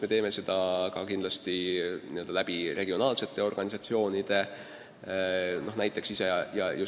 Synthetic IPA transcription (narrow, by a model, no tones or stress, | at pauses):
me̞t̪e̞ːme̞se̞d̪̥ɑkɑkind̪lɑst̪iniø̞ld̪ɑlæb̥irʔe̞ɡ̥io̞nɑːlse̞t̪ːˑe̞o̞rɡ̥ɑnʲisɑt̪sio̞ːnid̪̥e̞ | no̞hnæjt̪ˑːe̞ksisejɑju